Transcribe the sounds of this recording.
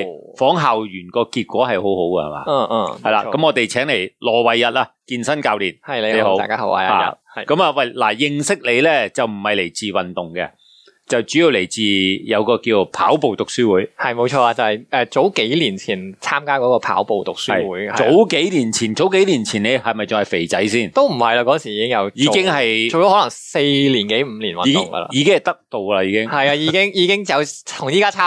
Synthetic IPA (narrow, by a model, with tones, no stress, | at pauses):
fɔː˨˥ŋɦaː˨wjyː˨˩nkɔː˧kiː˧t̚kʷɔː˨˥hɐ˨jho˨˥who˨˥wkɛ̰˧hɐ̰˨˩ma̰ː˨˩˧ɐ˨jla̰ː˧kɐ˨˥mŋɔː˨˧t̪e˨jt͡sʰɛː˨˥ŋle˨˩jlɔː˨˩wɐ˨jːɐ˨t̚aː˧kiː˧nsɐ˥nkaː˧wliː˨˩nhɐ˨jlle˨˧ho˧˨˥waː˨kaː˥ho˨˥wa̰˧˨a̰ː˨a̰˧˨kɐ˨˥maː˨˧wɐ˨˩jla̰ː˨˩jɪ˧ŋsɪ˥k̚le˨˧lɛ˥t͡sɐ˨˩wm̩˨˩hɐ˨jle˨˩jt͡siː˨wɐ˨˩nt̪ʊ˨ŋkɛ̰˧ | t͡sɐ˨wt͡ʃyː˨˥ji˧wle˨˩jt͡siː˨jɐ˨˧wkɔː˧kiː˧˨˧pʰaː˨˥wpo˨wt̪ʊ˨˩k̚syː˥wuː˨˥jhɐ˨jmo˨˧wt͡ʃʰɔː˧a˧t͡sɐ˨˧whɐ˨˩jɛː˨˧t͡so˨˥wke˨˥jliː˨˩nt͡sʰiː˨˩nt͡sʰaː˥mkaː˥kɔː˨˥kɔː˧pʰa̰ː˨˥wpo˨wt̪ʊ˨˩k̚syɐ˨jwuː˨˥jhɐ˨o˨˥wke˨˥jliː˨˩nt͡sʰiː˨˩nt͡so˨˥wke˨˥jliː˨˩nt͡sʰiː˨˩nle˨˧hɐ˨jmɐ˨jt͡sʊ˨ŋhɐ˨jfe˨˩jt͡sɐ˨˥jsiː˥˩nt̪o˥wm̩˨˩hɐ˨jla˧kɔː˧˥˩nsi˨˩iː˧˥kɪ˥ŋjɐ˨˧wjiː˨˧kɪ˥ŋhɐ˨jo˨wtɔ˨˥hɔ˨˥lɐ˨˩ŋse˧jliː˨˩nke˨˥jm̩˧˥liː˨˩nwɐ̰˨˧˨ŋɡɐ̰˧la̰˧jiː˨˧ɪ˥ŋhɐ˨˩t̪ɐ˥k̚t̪o˨wlɐ˧jiː˨˧kɪ˥ŋhɐ˨ja˧ji˨˧kɪ˥ŋjiː˨˧kɪ˥ŋt͡sɐ˨wt̪ʰʊ˨˩ŋjiː˥kaː˥t͡sʰaː˥